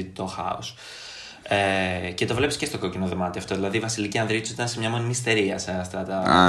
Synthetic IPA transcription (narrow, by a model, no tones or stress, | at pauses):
t̪o̞xɐ̰os | ece̞t̪o̞vle̞pisce̞st̪o̞ko̞cinoðomɐt̪iɐft̪o̞ðilɐðiːvɐsiliciɐnðɾit̪usi̥t̪ɐnsemɲɐmo̞ninist̪e̞ɾiɐseɐft̪ɐt̪ɐ